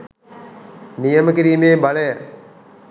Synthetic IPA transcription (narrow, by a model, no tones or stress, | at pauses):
nijəməkiɾiːmeːbaləjə